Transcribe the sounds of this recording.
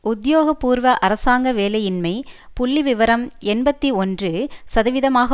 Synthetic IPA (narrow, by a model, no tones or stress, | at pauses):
ʊd̪joːɣɐpːuːɾʋɐʔɐɾɐsaːŋɡɐʋeːlɐjɪnmɐɪpʊɭːiʋɪʋɐɾɐmɛnbɐt̪ːiɔndrɯsɐðɐʋɪðɐmaːɣɐ